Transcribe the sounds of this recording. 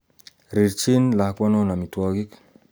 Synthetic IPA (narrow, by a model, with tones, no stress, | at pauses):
ɾi˨ɾt͡ʃi˦nla˨kwɔ˦nɔ˦na˨mi˨twɔ˨ɡi˦k